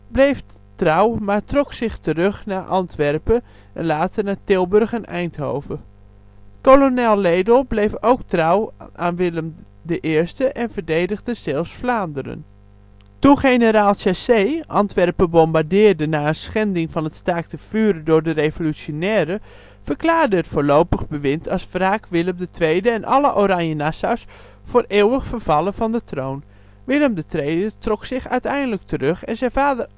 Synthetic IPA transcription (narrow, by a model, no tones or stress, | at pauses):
blejf | trawmaɹtrɔksɪχtərøχnaːʔɑntʋɛrpə | ɛnlaːtərnatɪlˠbørχənɛjntho̰wvə | kolonɛlˠledəlˠblejfowktrawʔaːnʋɪləm | dəʔɪːɹstəʔɛnvəɹdejdəɣdəz̥ɛlˠfsflaːndəɾə̰n | tuxejnəɾaːlˠsasejʔɑntʋɛrpəbɔmbaɹdɪːɹdənaːənsχɛndɪŋvɑnətstaːk̚təfyːɾədʊːɹdərejvolysjonɛːɾə | fəɹklaːɹdəətfʊːɹlowpəχbəʋɪntʰɑsfraːkʋɪlˠəmdətʋejdəɛnʔɑ̰ləʔoɾɑnjənasas | fʊːreːwəχfərv̥ɑlˠəvɑndətrown | ʋɪləmdətʋejdətrɔksɪχœ̰ɥtɛjndələk̚tʰərɵχɛnzɛvaːdər